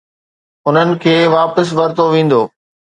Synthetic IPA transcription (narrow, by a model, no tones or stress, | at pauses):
ʊn̤ənɪ̆kʰeːʋaːpəs̬ʋɐɾt̪oʋẽːn̆d̪o̰ː